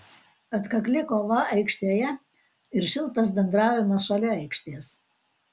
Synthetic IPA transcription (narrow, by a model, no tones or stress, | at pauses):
ɐt̪kɐklʲɪkoːʋɐɐɪkʃʲt̪ʲiːjɛ | ɪɾʃʲɪlˠt̪ɐs̬bʲɛnd̪ɾɑˑːʋʲɪmɐsʃɐlʲɛɛɪkʃʲt̪ʲeːs